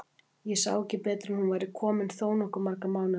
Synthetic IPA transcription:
jɛsa̰ːwɛcɪpɾɛːt̪ɾɪnhunvaːjɾɪkʰɔːmɪnθoːwnɔhkʏɾmaɾkamaːwnɪ

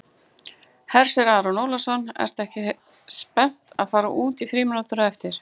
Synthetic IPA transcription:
hɛɾ̥sɪɾaːðɾɔnowlasɔnɛ̰ɾ̥t̪ɛhcɪ | spɛn̥t̪aðfaːɾa̰ʔuːt̪ifɾiːmɪnat̪ʏɾaɛft̪ɪɾ̥

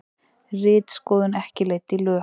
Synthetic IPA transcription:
rɪːt̪skɔːðʏnɛhcɪleːjɣt̪ɪlʏ

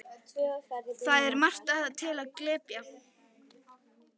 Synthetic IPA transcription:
θaðɛɾmar̥t̪aðat̪ʰɪlaðklɪːpja

